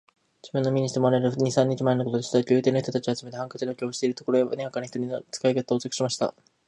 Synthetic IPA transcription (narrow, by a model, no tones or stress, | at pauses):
d͡ʑɨbɯ̟̃nːo̞mʲiɲ̟iɕi̥t̪e̞moɾaeɾɯɲ̟isãɲ̟ːit͡ɕimaenoko̞t̪od̪esit̪akʲɨ̟ːt̪eːnoçit̪ot̪at͡ɕiβat͡sɨme̞t̪e̞hãŋkat͡ɕid̪akʲioɕi̥t̪e̞iɾɯ̟t̪o̞koɾo̞jeba̰neɡakanoçi̥t̪oɲ̟inot͡sɨ̥kaiket̪oːt͡sokɯ̥ɕimaɕi̥t̪a̰